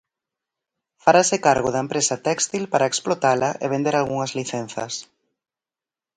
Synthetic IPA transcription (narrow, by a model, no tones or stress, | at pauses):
faɾasɪkaɾɣʊðɐempɾesɐt̪ɛkst̪ilpaɾaeksplot̪alɐʔeβ̞end̪eɾalɣuŋɐzliθɛn̟θɐ̰s